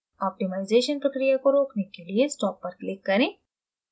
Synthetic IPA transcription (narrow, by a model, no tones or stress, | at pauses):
ɔːp̚ʈɪmaɪzeːʃənpɾɐkɾijakoɾoːknekeliesʈɔːp̚pːɐɾkleːkːɐɾẽː